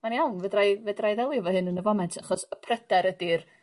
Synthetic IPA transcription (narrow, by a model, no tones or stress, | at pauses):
maniawnvədrajvədrajðɛlˠɪvɔhɨnənəvɔmɛntʰaχɔsəpʰrədɛɾədɪr